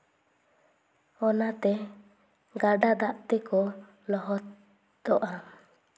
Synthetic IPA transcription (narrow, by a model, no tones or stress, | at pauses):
ɔnat̪ɛ | ɡaɖad̪aʔt̪ɛkɔ | lɔɦɔt̪ | d̪ɔʔa